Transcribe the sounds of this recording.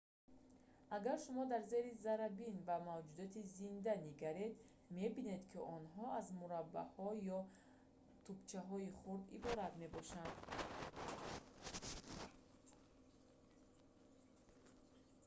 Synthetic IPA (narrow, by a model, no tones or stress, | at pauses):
aɡaɾʃumɔd̪aɾze̞ɾizaɾabinvamavd͡ʒud̪ɔt̪izind̪aniɡaɾe̞d̪ | me̞bine̞d̪kʰiʔɔnɦɔazmuɾabːa̰hɔjɔ | t̪ʰubt͡ʃʰaɦɔiχuɾd̪ibɔɾat̪me̞bɔʃand̪